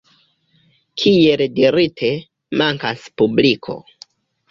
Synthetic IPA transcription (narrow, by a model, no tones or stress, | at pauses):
kʰieldiɾitʰe̞ | maŋkaspublikʰo̰